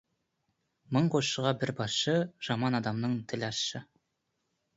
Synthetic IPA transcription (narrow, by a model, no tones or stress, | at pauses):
mɤɴqʰosʃəʁɑbɪɾbɑsʃɤʒ̥ɑmɑnɑd̪ɑmnəɴt̪ʰɪlʲɑsʃɤ